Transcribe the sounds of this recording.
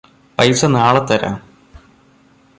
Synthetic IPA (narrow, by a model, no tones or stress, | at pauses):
pɐjsɐnaːɭɐt̪ːɐɾa̰ːm